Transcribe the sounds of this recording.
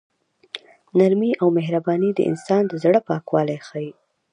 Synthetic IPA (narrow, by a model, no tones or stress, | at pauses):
naɾmiʔawmeɦɾabɑnid̪ə̰ʔɪ̰nsɑnd̪əzɽəpɑkwɑlajxaji